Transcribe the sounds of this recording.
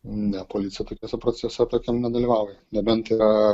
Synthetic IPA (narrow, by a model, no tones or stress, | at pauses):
nʲɛpoːlʲit̪sʲɪjɛt̪oːkʲɛːsʲɛpɾoːt͡ssʲɛsʲɛt̪oːkʲiɛmnʲɛd̪ɐlʲiːʋɐʊjɛnʲɛbʲɛnt̪ɪɾɐ